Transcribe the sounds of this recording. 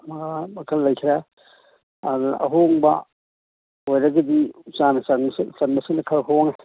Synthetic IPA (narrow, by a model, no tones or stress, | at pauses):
mɐɡamɐkʰɐlːɐjkʰiɾɐ | ɐdʔɐ̰ɦoŋbɐ̰ | ojɾɐɡɐdiut͡ʃanɐsɐŋssɐnbɐsɯŋnɐkʰɐlɦoŋɛ